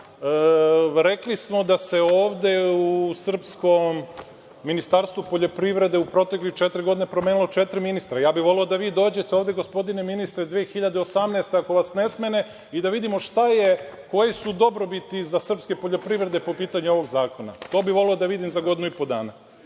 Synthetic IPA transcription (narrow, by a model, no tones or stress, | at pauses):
ɾe̞klismo̞d̪aseoːʋd̪e̞usr̩psko̞mː | inist̪aɾst̪ʋupo̞ʎo̞pɾiʋɾe̞d̪eupɾo̞t̪eklit͡ʃet̪ɾiɡo̞d̪inepɾomeːnilˠo̞t͡ʃet̪ɾiminist̪ɾajaːbiʋo̞leod̪aʋiːd̪o̞ːd͡ʑe̞t̪eoːvd̪e̞ɡospo̞d̪ineminist̪ɾed̪ʋeːxiʎad̪eosamneest̪eako̞ʋasne̞smene̞ | id̪aʋid̪imo̞ʃt̪ajeko̞jesud̪o̞bɾo̞bit̪izasr̩pske̞po̞ʎo̞pɾiʋɾe̞d̪e̞po̞piːt̪aɲuo̞ʋo̞ɡzaːko̞na̰t̪o̞ːbiʋo̞leod̪aʋid̪imzaɡo̞d̪inuipo̞d̪aːna